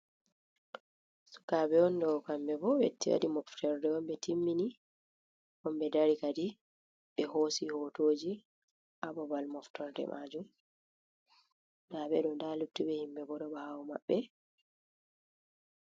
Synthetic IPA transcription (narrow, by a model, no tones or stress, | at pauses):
su̥kabɛɔndɔkambɛbɔbɛ̰tːiwa̰dimɔftɔɾdɛɔmbɛtʰimːini | ɔmbɛdaɾikadi | ɓɛɦosihotoːd͡ʒi | ʔabɔbalmɔftɔɾdɛ̰mʔad͡ʒum | dabɛɗɔndalutːibɛhimbɛbɔdɔbɔhawma̰ɓːɛ